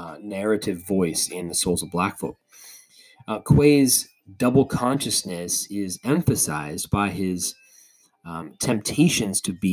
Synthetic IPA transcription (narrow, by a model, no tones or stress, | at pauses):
nɛɹɨɾɨvɔɪsɪ̃nðɨsoʊlˠzʌvblækfɔ̰ | kʰw̥eɪz | dʌbl̩ˠkʰɑ̃nʃɨsnɨsɪzɛ̃ɱfɨsa̰ɪzbaɪɪz̥ | tʰɛ̃mp̚tʰeɪʃɨ̃nz̥tʰɨbi